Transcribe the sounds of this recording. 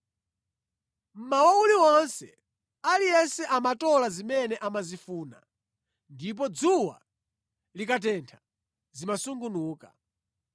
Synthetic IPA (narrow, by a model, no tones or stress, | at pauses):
m̩mawauliɔnsɛ̰ | alijɛsɛʔamatɔlazimɛnɛʔamazifuːna̰ | ndip̬ɔd͡zuwa̰ | likat̬ɛntʰḁ | zimasuŋɡunuːka̰